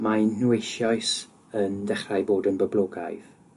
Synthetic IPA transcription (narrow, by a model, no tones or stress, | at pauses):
majnnuejʃjɔjs | əndɛχrajboːdənbəblˠoːɡa̰jð̥